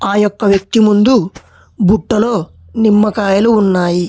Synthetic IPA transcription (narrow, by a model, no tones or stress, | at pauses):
aːjɔkːɐʋjɐk̚t̪imund̪u | buʈːɐlo̞ː | nimːɐkaːjɐluːnːaːji